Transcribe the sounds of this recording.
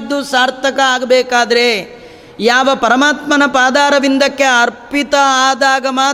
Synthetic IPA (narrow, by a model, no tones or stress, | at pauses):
d̪ːusaːɾt̪ʰɐkɐaːɡɐbɛːkaːd̪ɐɾe | jaːʋɐpɐɾɐmaːt̪mɐnɐpaːd̪aːɾɐʋind̪ɐkːeɐɾpit̪ɐaːd̪aːɡɐmaː